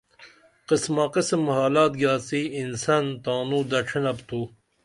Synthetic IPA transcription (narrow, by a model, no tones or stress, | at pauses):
qismaqisəmhaːlaːt̪̚ɡaːt͡siinsant̪aːnud̪ɐʈ͡ʂʰinɐpt̪ʰu